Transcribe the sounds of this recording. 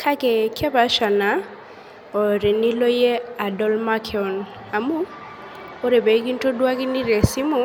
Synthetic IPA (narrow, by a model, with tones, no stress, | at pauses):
kʰa˦kɛ˨kʰɛ˦ba˨˦ʃa˨na˨ | ɔ˨ɾe˨ni˦lo˦je˦a˨dɔ˦lma˦kʰɛɔ˨n | a˨mu˦ | o˦ɾe˨be˨˦ki˦n˦to˦dwa˦kɪ˦ni˦ɾe˨si˦mʊ˦